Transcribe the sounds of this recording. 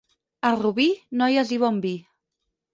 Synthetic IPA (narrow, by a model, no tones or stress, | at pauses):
aruβinɔjaziβɔmbi